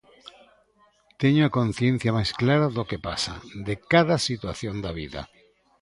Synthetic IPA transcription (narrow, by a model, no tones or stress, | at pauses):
t̪eɲoakõn̟θjẽn̟θjamajsklaɾaðokepasad̪ekaðasit̪waθjond̪aβiða̰